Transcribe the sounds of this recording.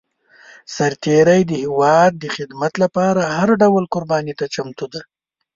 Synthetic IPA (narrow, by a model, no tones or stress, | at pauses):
saɾt̪eɾəjd̪əhɪwɑd̪̚ːəxɪd̪mat̪lapɑɾahaɾɖawlkʊɾbɑnit̪at͡ʃamt̪ud̪a